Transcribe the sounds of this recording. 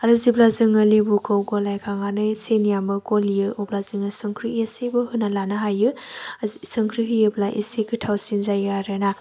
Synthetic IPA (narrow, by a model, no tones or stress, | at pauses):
aɾɯziblazɯŋɐlibukʰɯwɡolajkʰaŋanɯjsenijambɯɡolijɯoblazɯŋɯsɯŋkʰɾiesibɯhɯnalanɐɦajɯ | sɯŋkʰɾiɦijɯblajʔḛsekʰɯtʰawsinzajaɾena